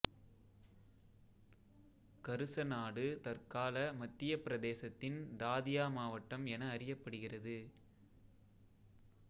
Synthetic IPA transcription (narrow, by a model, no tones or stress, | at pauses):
kɐɾɯsɐnaːɽɯt̪ɐrkaːlɐmɐt̪ːɪjɐpɪɾɐðeːsɐt̪ːɪnd̪aːðɪjaːmaːʋɐʈːɐmɛnɐːrɪjɐpːɐɽɯɣɪrɐðɯ